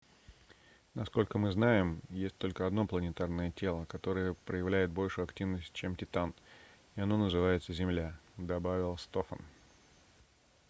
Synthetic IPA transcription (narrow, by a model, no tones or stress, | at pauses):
nɐsko̞lʲkəmɨznajɪmjesʲtʲt̪o̞lʲkəɐd̪no̞plˠənʲɪt̪arnəjətʲe̞lˠəkɐt̪o̞ɾəjəpɾəjɪvlʲæjɪt̪̚bo̞lʲʂʊjʊɐktʲivnəsʲt̚ʲt͡ɕemtʲɪt̪an | ɪɐno̞nəzɨvajɪt̪səzʲɪmlʲad̪ɐbavʲɪlˠst̪o̞fə̰n